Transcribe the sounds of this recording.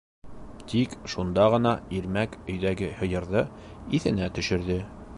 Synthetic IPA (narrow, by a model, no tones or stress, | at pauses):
t̪ikʃund̪ɑʁɤ̆nɑiɾmækɵ̆jðæɡɘhɤ̆jɤ̆ɾðɤ | iθɘ̆næt̪ɵ̆ʃɘ̆ɾðɘ